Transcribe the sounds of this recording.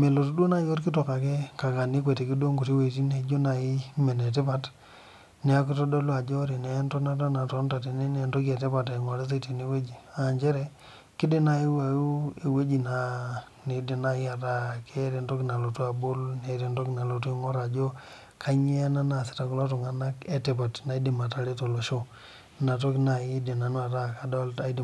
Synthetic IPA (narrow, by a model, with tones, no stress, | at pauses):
me˨lo˨tu˦do˦na˦jo˦ɾki˦to˨ka˨ke˦ka˨ka˨ni˦kʷwe˨te˨ki˦do˦ŋɡu˨ti˦we˨t̬i˦ne˨˦d͡ʒo˦na˨i˦me˨ne˨t̬e˦pa˨t | ne˨˦a˦k̬i˦to˦do˦lu˦a˨d͡ʒo˦ɾi˨ne˨˦nto˦na˦ta˦na˨to˨˦nta˨ti˨ne˦ne˨nto˦ke˨te˦pa˨te˨ŋo˨ɾe˦s̬e˦ti˨ni˦we˦d͡ʒi˨a˨nd͡ʒe˦ɾe˨ | ki˦de˦na˨i˦wa˨ju˦e˨we˦d͡ʒi˨na˨ | ne˨˦di˨na˦i˦a˨ta˦˨kʰe˦ɾe˨nto˦kna˨lo˨tu˦a˨bo˦lne˨˦ɾe˨nto˦kna˨lo˨tu˦i˦ŋɔ˦ɾa˨d͡ʒo˦ | kʰa˦ɲe˦na˦na˨si̥˨ta˨ku˦la˦to˨ŋa˨na˦ke˦te˨pa˨tna˨i˦di˨ma˨ta˨le˦to˨lo˨ʃo˦ | na˨t̬o˦kna˨ji˦di˨na˨n˦a˨ta˦˨ka˨do˦la˦d